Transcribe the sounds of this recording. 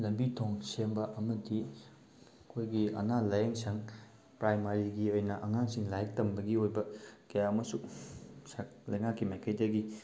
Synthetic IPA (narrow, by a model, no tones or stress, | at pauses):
lɐmbitʰoŋsembɐʔɐmɐdi | kʰojɡiɐ̰nalajeŋsɐŋ | pɾajmaɾiɡiojnɐʔɐŋaŋsiŋlajɐk̚tɐmbɐɡiojbɐkɐjaɐmɐsusalɐjŋakːimajkʰɐjdɐɡi